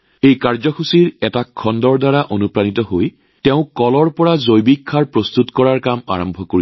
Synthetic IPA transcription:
ejkaɹzɔkʰusiɹɛtakʰːɔndɔɹdaɹaʔonupɹanitɔɦoj | tɛʊ̃kɔlɔɹpɔɹazojbikʰːaɹpɹost̪utkɔɹaɹkama̰ɹɔmbʱɔkoɹi

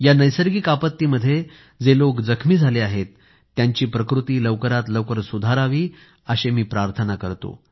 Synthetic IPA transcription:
janəjsəɾɡikapət̪ːiːməd̪ʱːje | d͡zelokd͡zəkʰmiːd͡zʱaleaɦet̪ː | jaɲt͡ɕiːpɾəkɾut̪iːləʋkəɾat̪ləʋkəɾsud̪ʱaɾaʋiː | əɕemiːpɾaɾt̪ʰənakəɾt̪o̰

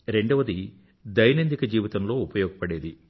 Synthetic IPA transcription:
ɾe̞ɳɖɐʋɐd̪i | d̪ɐjnɐnd̪ikɐd͡ʒiːʋit̪ɐmlo̞ːupɐjɔːɡɐpɐɽeːd̪i

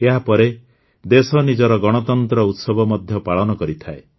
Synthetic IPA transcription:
eɦapɔɾe | d̪esɔnid͡ʒɔɾɔɡɔɽ̃ɔt̪ɔnt̪ɾɔut̪sɔbʱɔmɔd̪ʱjɔpaɭɔnɔkɔɾit̪ʰae

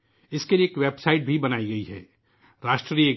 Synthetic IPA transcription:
ɪskelieːkʋeːbsaːɪʈ̚bʱibɐnaːiɡɐiɦɛ̰ː | ɾaːʃʈɾɾiːe

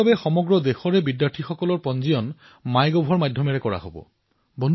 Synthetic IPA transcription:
abɛxɔmɔɡɹɔd̪exɔɹɛbidjaɹtʰixɔkɔlɔɹpɔnzijɔn | majɡɔbʱɔɹmadʱːɔmɛɹɛkɔɹa̰ɦo̰bɔ̰ | bɔn

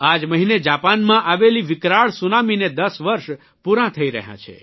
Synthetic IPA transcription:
ad͡ʒməɦined͡ʒapanmãʔaʋeliʋɪkɾaɭsunamined̪əsʋəɾʃ | puɾãt̪ʰəiɾə̰ɦjã̰t͡ʃʰḛ

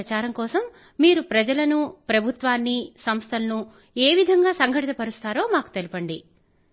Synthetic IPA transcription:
ɐt͡ʃaːɾɐŋkɔːsɐmː | iːɾupɾɐd͡ʒɐlɐnupɾɐbʱut̪ʋaːnːisɐmst̪ʰɐlɐnu | eːʋid̪ʱɐŋɡaːsɐŋɡʱɐʈit̪ɐpɐɾust̪aːɾo̞ːmaːku̥t̪e̞lipɐɳɖi

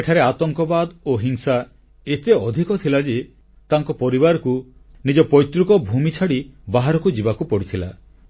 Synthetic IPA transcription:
eʈʰaɾeat̪ɔŋkɔbad̪oɦiŋsa | et̪eɔd̪ʱikɔt̪ʰilad͡ʒi | t̪aŋkɔpɔɾibaɾɔku | nid͡ʒɔpɔjt̪ɾukɔbʱumit͡ʃʰaɽibaɦaɾɔkud͡ʒibakupɔɽit̪ʰila

